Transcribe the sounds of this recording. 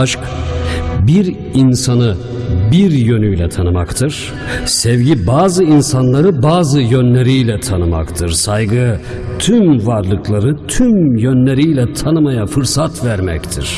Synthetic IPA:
ʃk | biɾ | insanɯ | biɾjø̞nyjlʲɛt̪ʰanɯmakt̪ʰɯɾ̥ | sɛvɟibaːzɯinsanlˠaɾɯbaːzɯjønlʲeɾijlʲɛt̪ʰanɯma̰kt̪ʰɯɾsajɡɯ | t̪ʰymvaɾlˠɯklˠaɾɯt̪ʰymjønlʲeɾijlʲɛt̪ʰanɯmajafɯɾsat̪væɾmɛct̪ʰḭɾ̥

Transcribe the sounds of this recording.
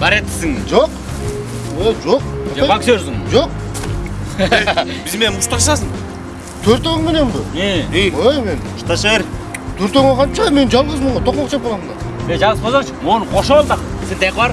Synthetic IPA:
bæɾet̪ːɪ̥sɪŋʒoq | eʒoq̚ɑksøɾsɪŋʒoq̚ | bɪzme̞nmʊʃt̪ɑʃɑsəɴ | t̪ʰɵɾt̪omenembɪeeme̞nmʊʃt̪ɑʃeɾt̪ʰɵɾt̪oŋeqʰɑnt͡ʃɑme̞nʒɑlˠʁəzməɴɑt̪ʰoqmɑqʃʰep̚olˠɑmnd̪ɑ | eʒɑʁəsqʰozɑŋt͡ʃəwonəqʰoʃɑlˠd̪əqsent̪ejqbɑɾ

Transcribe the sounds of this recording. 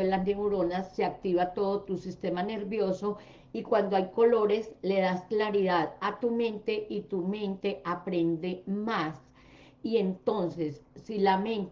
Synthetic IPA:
elaneuɾo̞nasseak̚t̪iβat̪o̞ðot̪usist̪e̞mane̞ɾβjo̞so̞ | ikwand̪oajko̞lo̞ɾe̞sle̞ðasklaɾiðaðat̪umẽ̞nt̪e̞ʔit̪umẽ̞nt̪e̞apɾe̞nd̪e̞mas | ie̞nt̪o̞nse̞sːilamẽnt̪

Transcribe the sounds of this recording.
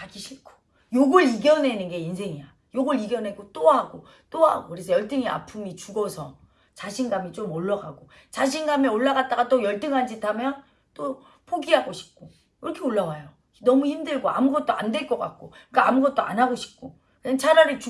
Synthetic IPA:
aɡiɕʰiɭkʰo̥ | joɡɯɾiɡjʌne̞nɯnɡe̞insʰe̞ŋia | joɡʌɾiɡjʌne̞ɡot͈oɦaɡo | t͈oɦa̰ɡokɯɾe̞sʰʌjʌɭt͈ɯŋia̰pʰumit͡ɕuɡʌsʰʌ | t͡ɕaɕʰinɡamit͡ɕomoɭːʌɡaɡo | t͡ɕaɕ̬ʰinɡamioɭːaɡat̚t͈aɡat͈ojʌɭt͈ɯŋɦand͡ʑitʰamjʌn | t͈o | pʰoɡiɦaɡoɕʰi̥p̚k͈o | iɾʌkʰe̞oɭːawajo | nʌmuçimdɯɭɡoa̰muɡʌt̚t͈oa̰ndwe̞ɭk͈ʌk͈a̰k̚k͈okk͈aamuɡʌt̚t͈oa̰nɦaɡoɕʰi̥p̚k͈o | kɯt͡ɕʰaɾaɾɯɭt͡ɕu

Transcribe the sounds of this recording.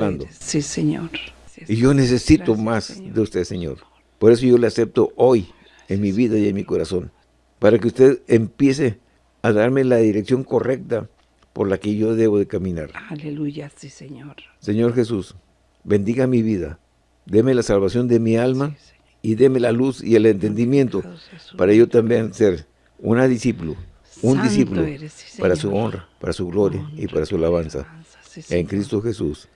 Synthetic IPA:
and̪osiseɲo̰ɾiʝo̞nes̬e̞sit̪o̞masðeust̪eðseɲo̞̰ɾ | po̞ɾe̞s̬o̞ʝo̞lease̞p̚t̪o̞ʔo̞j | enmiβiðaje̞nmiko̞ɾaso̞n | paɾakeust̪e̞ðempje̞se | aðaɾme̞laðiɾe̞ksjo̞ŋko̞re̞k̚t̪a | po̞ɾlake̞ʝo̞ðe̞βo̞ðe̞kamĩna̰ɾu | seɲo̞ɾxe̞sus | be̞nd̪iɣamiβiða̰ | d̪e̞melasalβasjo̞nd̪e̞mialma | iðe̞me̞lalusḭele̞nt̪end̪imje̞nt̪opaɾaʝo̞t̪ambje̞nseɾ | ṵnaðisipulu | und̪isipulopaɾasuo̞nrapaɾasuɣlo̞ɾjaipaɾasualaβansa̰ | eŋkɾist̪oxe̞sus

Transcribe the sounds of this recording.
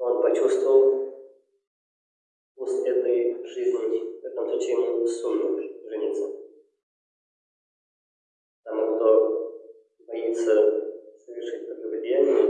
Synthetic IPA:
onpɐt͡ɕust̪vəlˠ | usʲɛt̪əjʐɨzʲnʲɪvɛt̪əmsˠut͡ɕɪmʲsʲumːɨʐɨnʲit̪sə | pət̪ɐmukt̪o | bɐit̪səsəvʲɪrʂɨt̚ʲpɾb̪əvʲɪdʲanʲɪjə

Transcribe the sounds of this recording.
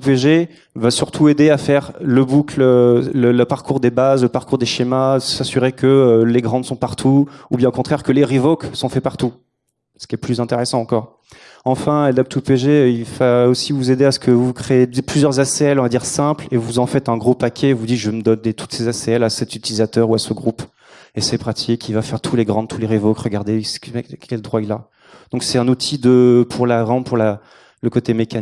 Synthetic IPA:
upeʒe | vasyʁt̪ʰued̪eafɛʁləbuklølələpaʁkuʁd̪ebazləpaʁkuʁd̪eʃemasasyʁekəleɡʁɑ̃d̪sɔ̃paʁt̪ʰuːbjɛ̃okɔ̃t̪χɛʁkəleʁivoksɔ̃fɛpaʁt̪u | sə̥kʲiɛplyzɛ̃t̪eʁesɑ̃ɑ̃kɔʁ | ɑ̃fɛ̃ad̪ap̚t̪upeʒeilvaosivuzed̪easə̥kʰəvukχeed̪plyzjœʁzaseɛlɔ̃vad̪iʁsɛ̃plevuzɑ̃fɛt̪ɛ̃ɡʁupakʲʰɛvud̪it̪ʒəməd̪ɔnd̪et̪ʰu̥t̪sezaseɛlasɛt̪yt̪ilizat̪œʁuasəɡʁup | esepχat̪ʰikʰivafɛʁt̪ʰuleɡʁɑ̃d̪̚t̪ʰuleʁevokʁəɡaʁd̪eɛkɛld̪ʁwaila | d̪̥ɔ̃ksɛt̪ɛ̃nut̪ʰid̪əpʰuʁlaʁɑ̃puʁla | ləkot̪emekan

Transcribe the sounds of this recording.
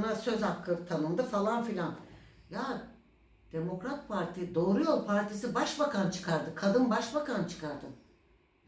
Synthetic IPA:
nasø̞zhakʰːɯt̪ʰanɯnd̪ɯfalˠanfilʲanjaː | d̪̥e̞mo̞kɾat̪̚pʰaɾt̪ʰijd̪o̞ːɾujo̞lˠpʰaɾt̪ʰisibaʃbakant͡ʃʰɯ̥kʰaɾd̪ɯkʰad̪ɯnbaʃbakant͡ʃʰɯ̥kʰaɾd̪ɯ

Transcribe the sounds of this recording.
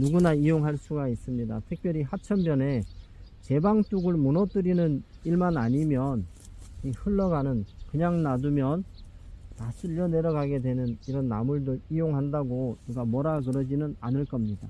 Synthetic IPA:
nuɡunaijoŋɦaɭs͈uɡais͈ɯmɲida̰tʰɯk̚p͈jʌɾiɦat͡ɕʰʌmbjʌne̞ | t͡ɕe̞baŋt͈uɡɯɭmunʌt͈ɯɾinɯn | iɭmanaɲimjʌn | ihɯɭːʌɡanɯnkɯɲaŋnadumjʌn | tas͈ʰiʎːʌne̞ɾʌɡaɡe̞dwe̞nɯniɾʌnːa̰muɭdɯɾijoŋɦandaɡonuɡamʌɾaɡɯɾʌd͡ʑinɯnanɯɭk͈ʌmɲida

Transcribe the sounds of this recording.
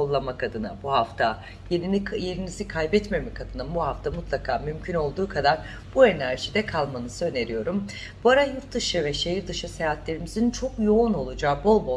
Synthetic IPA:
olˠːamakʰad̪ɯna̰buɦaft̪ʰa | jeɾinikʰjeɾinizikʰajbɛt̪me̞mɛkʰad̪ɯnabuhaft̪ʰamut̪ʰlˠakʰaːmymcʰyno̞lˠd̪uːkʰad̪aɾ | b̥ue̞næɾʒid̪ɛkʰalˠmanɯsɯø̞ne̞ɾijo̞ɾum | b̥uaɾajuɾt̪d̪ɯʃɯvɛʃejiɾd̪ɯʃɯsejaːt̪lʲe̞ɾimizint͡ʃʰokjo̞uno̞lˠud͡ʒaːbo̞lˠbo

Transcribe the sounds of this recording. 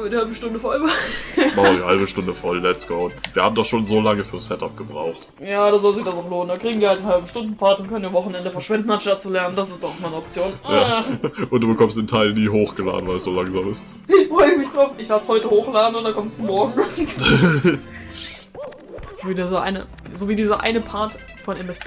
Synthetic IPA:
amviɐdihalbəʃtʊndəfɔlvamadihalbəʃtʊndəfɔɐdilɛtskɔʊntviːɐhaːbm̩dɔχʃoːnzoːlaŋəfyːɐsɛta̰p̚ɡ̥əbʁa̰ʊxt | jaːɾazɔlzɪçd̥asaʊxloːnəndakʁ̥iːɡŋ̩diːɐhaltn̩halbm̩ʃtʊndn̩faːɐtʊntkʰœnviɐvɔχn̩ɛndəfɛɐʃv̥ɛndn̩anʃtat̚t͡sulɛɐnəndasɪstd̥ɔaʊxmaɪnəɔp̚t͡sjoːnjaʔʊntd̥uːbəkʰɔmstɪntʰaɪlniːɦoːxɡ̥əla̰ːdn̩vaɪlɛsz̥oːlaŋzaːmɪst | ɪçfʁ̥ɔʏəmɪçd̥ʁaʊfɪçlaːəshɔʏtəhoːxlaːdn̩ʊntd̥akʰɔmstd̥umɔɐɡŋ̩an | z̥oviːdizoʔa̰ɪnə̰ | zoːviːdiːzɐʔa̰ɪnəpʰaɐt | fɔnʔɛmɛs

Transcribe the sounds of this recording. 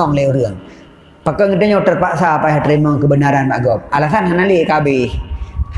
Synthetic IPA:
ɔŋleuɾəəŋ | pakəŋət̪əɲɔt̪ərpaʔsapajɦat̪ɾimɔŋkəbənaɾanbaʔɡɔp̚alasanɦanaliʔkabihh

